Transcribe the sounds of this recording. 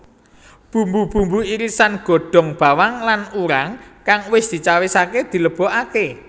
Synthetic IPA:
b̥ṳmbub̥ṳmbuiɾisanɡ̥o̤ɖ̥ɔ̤ŋb̥a̤waŋlanuɾaŋkaŋwɪsd̪̥i̤t͡ʃawisaked̪̥i̤ləb̥ɔ̤ʔake

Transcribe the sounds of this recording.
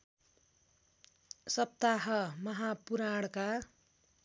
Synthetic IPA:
sʌp̚t̪aɦʌmʌɦapuɾaɽka

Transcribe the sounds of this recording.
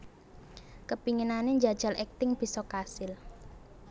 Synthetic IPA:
kəpiŋinaneɲd͡ʒa̤d̥ʒ̥a̤lʔɛk̚t̪ɪŋb̥i̤sɔkasɪl

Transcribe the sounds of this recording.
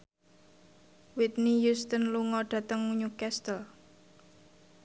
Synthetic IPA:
wit̪̚nijust̪ənluŋɔɖ̥ä̤t̪əŋmuɲukɛst̪əl

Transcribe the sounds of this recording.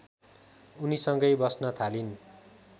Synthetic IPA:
unisʌŋɡʌjbʌsnʌt̪ʰalin

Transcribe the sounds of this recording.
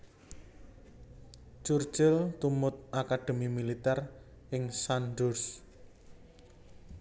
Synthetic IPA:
t͡ʃur̥ʒ̥ɪlt̪umʊt̪̚ʔakaɖ̪̥e̤mimilit̪ɛr | ʔɪŋsanɖʊs

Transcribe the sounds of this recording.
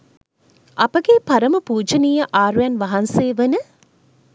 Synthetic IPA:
ʔɐpəɡepɐɾəməpuːd͡ʒɐnijəʔaːɾujanʋɐɦɐnseːʋənə

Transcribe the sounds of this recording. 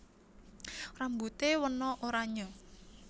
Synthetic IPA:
rambut̪ewənɔʔoɾaɲɔ

